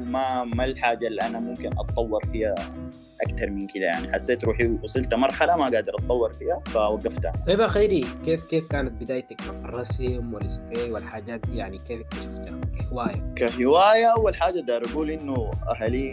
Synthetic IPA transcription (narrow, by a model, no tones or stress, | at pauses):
mamalħaːd͡ʒalːiʔanamumkinʔɑ̰t̪ˤːɑwːɑɾˤfiːha | ʔakt̪ɑɾˤmɪnkid̪aja̰ʕniħasːeːt̪ɾuːħiwɑsˤilt̪amɑɾˤħalamaɡaʕd̪ɪɾˤʔɑt̪ˤːɑwːɑɾˤfiːhafawaɡːaft̪a̰ejbaxeːɾikeːfkeːfkaːnat̪̚bɪd̪aːjt̪akmaqɑrˤːɑsmwalɪsfeːwalħaːd͡ʒaːt̪̚d̪ijaʕnikeːlkmaʃaft̪aawkahɪwaːjakaħɪwaːjaʔawːalħaːd͡ʒad̪ɑːɾˤaɡuːlʔɪnːuʔa̰ɦali